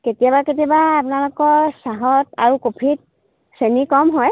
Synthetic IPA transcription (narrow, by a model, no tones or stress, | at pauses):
ketijabaket̬iɔbaːpʊnalokɔɹsaɦɔta̰ɹukopʰit̚ | senikɔmɦɔj